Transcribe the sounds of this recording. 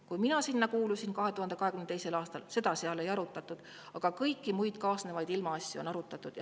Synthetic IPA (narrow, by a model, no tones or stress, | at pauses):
kujminɑsinːɑkuːlusinkɑɦe̞t̪uhɑnd̪ekɑɦe̞kymnt̪ejse̞lɑːst̪ɑlse̞d̪ɑseɑle̞jɑɾut̪ːˑɑt̪ːˑud̪̥ | ɑɡ̥ɑkɤjkːimujd̪̥kɑːsnevɑjd̪ilmɑɑsʲjuonɑɾut̪ːˑɑt̪ːˑud̪̥j